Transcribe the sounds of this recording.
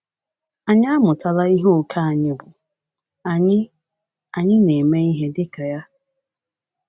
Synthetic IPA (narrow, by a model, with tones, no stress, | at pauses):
a˨ɲa˦a˦mʊ˨ta˨la˦i˦ɦo˦o˨kʰa˦a˨ɲɪ˦bʊ˨ | ɲɪ˦ | a˨ɲɪ˦ne˨me˦i˦ɦe˦dɪ˦ka˨ja˦